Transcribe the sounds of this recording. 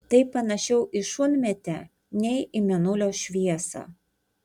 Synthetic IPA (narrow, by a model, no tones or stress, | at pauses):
t̪ɐɪpːɐnɐʃʲɛʊʔɪʃʊnʲmʲɛt̪ʲɛ | nʲɛɪɪmʲɛnʊlʲoːʃʲʋʲiɛsɑ̰